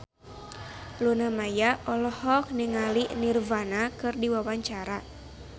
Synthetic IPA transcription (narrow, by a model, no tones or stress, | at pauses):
lunamajaʔɔlɔhɔk̚niŋalinirvanakɨrdiwawaɲt͡ʃaɾa